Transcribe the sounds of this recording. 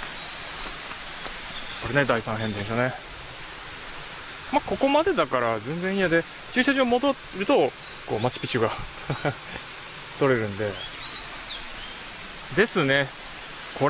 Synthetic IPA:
ko̞ɾe̞ne̞d̪aisãɰ̃ɦẽ̞nd̪ẽɕo̞ne | mako̞ko̞mad̪e̞d̪akaɾazẽ̞nd͡zẽ̞ɰ̃ijad̪e̞ | t͡ɕɨːɕaʑoːmo̞d̪o̞ | ɾɯ̟t̪o̞ | ko̞ːmat͡ɕi̥pʲit͡ɕiɡa | t̪o̞ɾe̞ɾɯ̟̃nd̪e̞ | d̪e̞sɨne̞ | ko̞

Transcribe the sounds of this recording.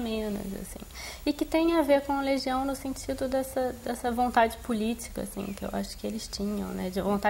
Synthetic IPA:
mẽnʊ̰za̰sḭ̃ɪkɪt̪ẽj̃aveɾkõw̃ɐleʒiɐ̃w̃nʊsẽt͡ʃid̪ʊd̪ɛsɐd̪ɛsɐvõnt̪ad͡ʒɪpʊlit͡ʃi̥kɐa̰sḭ̃kɪḛwa̰ʃʊ̥kɪelɪst͡ʃĩɲɐ̃w̃nɛd͡ʒɪvõnt̪a

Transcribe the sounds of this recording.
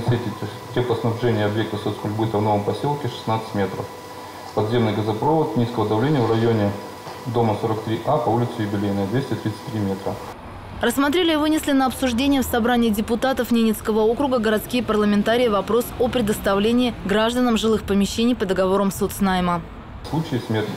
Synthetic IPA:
sʲetʲɪtʲ | tʲeplˠəsnɐbʐɛnʲɪjəɐbje̞k̚t̪əsot̪skʊlʲbɨt̪əvno̞vəmpɐsʲelˠkʲɪʂɨ̥snat̪sɨ̥tʲmʲet̪ɾə̰f | pɐd̪zʲe̞mnɨjɡəzɐpɾovət̪nʲiskəvəd̪ɐvlʲenʲɪjəvrɐjonʲɪ | d̪o̞məsoɾəkt̪ɾʲiʔapɐulʲɪt̪sʊjʊbʲɪlʲejnəjəd̪vʲesʲtʲɪt̪ɾʲit̪sɨ̥tʲt̪ɾʲimʲe̞t̪ɾə | rəsmɐt̪ɾʲelʲɪɪvɨnʲɪsʲlʲɪnəɐpsʊʐdʲenʲɪjəfsɐbɾanʲɪːdʲɪpʊt̪at̪əfnʲɪnʲet̪skəvəo̞kɾʊɡəɡəɾɐt̪skʲijəpɐrlˠəmʲɪnt̪aɾʲɪjːvɐpɾo̞sopɾʲɪd̪əst̪ɐvlʲenʲɪːɡɾaʐd̪ənəmʐɨlˠɨxpəmʲɪɕːenʲɪjpəd̪əɡɐvo̞ɾəmsot̪snajmə | slˠut͡ɕɪːsmʲerʲtʲ

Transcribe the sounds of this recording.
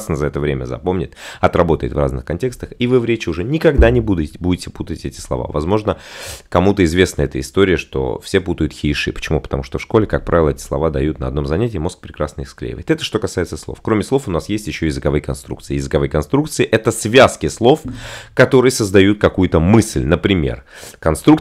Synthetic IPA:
snəzɐɛt̪əvɾʲemʲəzɐ̰po̞mnʲɪt̪ɐt̪ɾɐbo̞t̪əjɪ̰t̪vra̰znɨ̰xkɐnʲtʲe̞kst̪əxivɨvɾʲet͡ɕɪʊʐɛnʲɪkɐɡd̪anʲɪbud̪budʲɪtʲɪput̪ətʲɛtʲɪ̥slˠɐ̰va̰vɐ̰zmo̞ʐnəkɐmut̪əɪzvʲe̞snəɛt̪əɪst̪o̞ɾʲɪəʂt̪o̞̰fsʲeput̪əjʊt̪xʲiʂɨ̰pə̥t͡ɕɪmupə̥t̪ɐmuʂt̪ofʂko̞lʲɪkak̚pɾʔavʲɪlˠəɛtʲɪ̥slˠɐ̰vad̪ɐjut̪nəɐ̰d̪no̞mzɐnʲætʲɪːmo̞sk̚pɾʲɪkɾasnəixsklʲḛjɪvə̰ɪt̪ɛt̪əʂt̪o̞kɐsajɪt̪səslˠofkɾo̞mʲɪsˠofʊnasjesʲtʲjɪɕːojɪzɨkɐvɨjkɐnst̪ɾṵkt̪sɨɪːjɪzɨkɐvɨjkɐnst̪ɾuk̚t̪sɨɪʔɛt̪əsvʲaskʲɪslˠo̞fkɐt̪o̞ɾɨjəsəzd̪ɐjut̪̚kɐkujʊt̪əmɨsʲlʲnəpɾʲɪmʲe̞̰rkɐnst̪ɾuk

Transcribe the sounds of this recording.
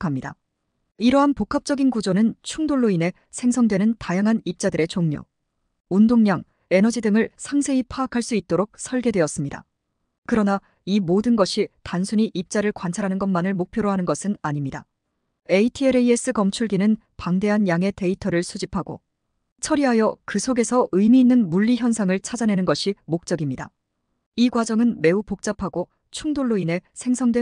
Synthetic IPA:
kʰamɲida̰ | iɾʌɦanpokʰap̚t͡ɕ͈ʌɡinkud͡ʑonɯnt͡ɕʰuŋdoɭːoinɦe̞ | sʰe̞ŋsʰʌŋdwenɯntajaŋɦanip̚t͡ɕ͈adɯɾe̞t͡ɕoŋɲo̰ | undoŋɲaŋ | e̞nʌd͡ʑidɯŋɯɭsʰaŋsʰe̞ipʰaːkʰaɭs͈uit̚t͈oɾok̚s͈ʰʌɭɡe̞dwe̞ʌs͈ɯmɲida̰ | kɯɾʌna | imodɯnɡʌɕʰitansʰuɲiʔip̚t͡ɕ͈aɾɯɭkwant͡ɕʰaɾɦanɯnɡʌnmanɯɭmok̚pʰjoɾoɦanɯnɡʌsʰɯnaɲimɲida̰ | eitʰieɾeie̞s͈ɯkʌmt͡ɕʰuɭɡinɯn | paŋde̞ɦanjaŋe̞te̞itʰʌɾɯɭsʰud͡ʑipʰaɡo̰ | t͡ɕʰʌɾiɦajʌkɯsʰoɡe̞sʰʌʔɯimiːnːɯnmuʎːiçjʌnsʰaŋɯɭt͡ɕʰad͡ʑanenɯnɡʌɕʰimok̚t͡ɕ͈ʌɡimɲida̰ | iɡwad͡ʑʌŋɯnme̞upok̚t͡ɕ͈apʰaɡo | t͡ɕʰuŋdoɭːoinɦe̞sʰe̞ŋsʰʌŋdwe

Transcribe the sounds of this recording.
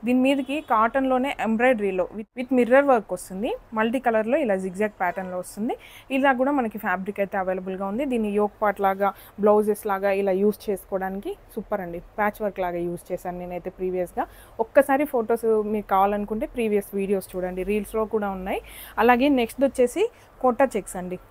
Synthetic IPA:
d̪iːnimiːd̪ɐkikaːɾʈɐnlo̞ːne̞ːʔembɾoːjɖɾiːlːoːʋiʋit̪miɾːɐɾʋɐɾkɐst̪und̪imɐlʈikɐlɐɾlo̞ːilaːziɡd͡ʒaːk̚ʈ̚pɛːʈɐnlo̞ːʋɐst̪und̪iilaːk̬uːɽaːmɐnɐkipʰaːbɾikɐjt̪e̞ːɐʋeːlɐbulɡaːund̪id̪iːnːijoːk̚paːɾʈlaːɡaː | bloːzeslaːɡaːilaːjuːst͡ʃeːsu̥kɔːɽaːnikisuːpːɐɾɐɳɖipaːt͡ʃʋɐɾklaːɡaːjuːst͡ʃɛːʃaːɾne̞ːnɐjt̪e̞ːpɾiːʋijɐsɡaː | ɔkːɐsaːɾipʰoːʈo̞ːsmiːɾkːaːʋaːlɐnukuɳʈe̞ːpɾiːʋijɐsʋiːɽijo̞ːst͡ʃuːɽɐɳɖiɾiːlslo̞ːkuːɽaːunːaːjiɐlaːɡe̞ːneksʈd̪ot͡ʃːe̞ːsi | kɔːʈːat͡ʃeksɐɳɖi

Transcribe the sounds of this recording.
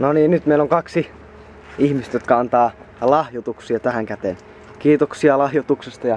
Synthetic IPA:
noniːnnyt̪meˑiloŋkɑksi | ihmist̪æjot̪kɑɑnt̪ɑː | lɑhjot̪uksiɑt̪æhæŋkæt̪en | kiːt̪oksiɑlɑhjot̪uksest̪ɑjɑ

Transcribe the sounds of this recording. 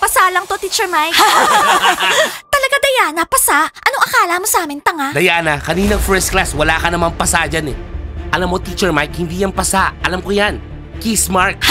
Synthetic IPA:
pɐsalɐŋt̪ot̪it͡ʃɛɹmajk | t̪ɐlɐɡad̪ɐjaʔnɐpɐsaʔʔɐnoŋʔɐkaːlamosɐʔaːmɪnt̪ɐŋad̪ɐjanɐkɐniːnɐŋfɛɹst̪̚klaswɐlaːkɐnɐmampɐsad͡ʒanɛʔɐlamːo̞t̪it͡ʃɛɹmajkhɪnd̪iːjɐŋpɐsaʔɐlamkojan | kismaɹk̚

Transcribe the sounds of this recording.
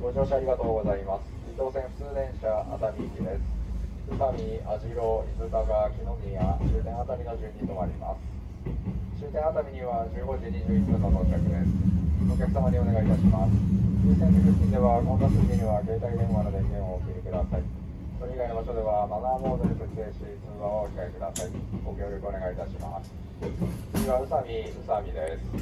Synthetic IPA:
ɡo̞ʑo̞ːɕiaɾʲiɡat̪o̞ːɡo̞zaimasɨ̥d͡ʑit̪o̞ːsẽ̞ɰ̃ɸɯ̥t͡sɨːd̪ẽ̞ɰ̃ɕaa̰t̪amʲikʲid̪e̞sɨ̥sɨsamʲiaʑiɾo̞izɨzaɡakʲino̞mʲĩjaɕɨːt̪ẽ̞ɰ̃at̪amʲinaʑɨːɲ̟ʲĩnt̪o̞maɾʲima̰sɨ̥ | ɕɨːt̪ẽɰ̃at̪amʲiɲiβad͡ʑɨːɡo̞d͡ʑiɲid͡ʑoit͡sɨnok̪at̪oːɕit̪akɯd̪e̞sɨ̥okʲakɯ̥samaɲ̟io̞ne̞ɡait̪aɕimasɨ̥ɕɨːsẽɲd͡ʑiɡʲɨsɨɲʲĩnd̪e̞βakõ̞nt̪asɨkiɲʲiɲiβake̞ːt̪aid̪ẽoaɾad̪eikẽ̞ɰ̃oːkɯɾʲikɯ̟d̪asai | soɾe̞iɡaino̞baɕo̞d̪e̞βananamo̞zẽ̞mbɯ̟t̪ːe̞ːɕit͡sɨːβaokkaekɯ̟d̪asaiɡ̥o̞kʲoːɾʲjo̞kɯo̞ne̞ɡait̪aɕima̰sɨ̥ | soiβaɯ̟samʲiɯ̟samʲid̪e̞sɨ̥

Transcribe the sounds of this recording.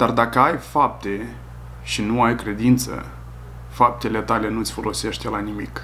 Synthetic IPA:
d̪̥ard̪akəajfap̚t̪e̞ | ʃinuajkɾe̞d̪int̪sə̰ | fap̚t̪e̞le̞t̪ale̞nut̪sʲfo̞lo̞se̞ʃt̪elanimik

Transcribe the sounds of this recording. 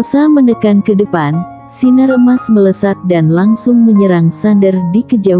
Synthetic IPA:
samənəkankədəpan | sinaɾəmasmələsat̪̚danlaŋsʊŋməɲəɾaŋsandərdikəd͡ʒa

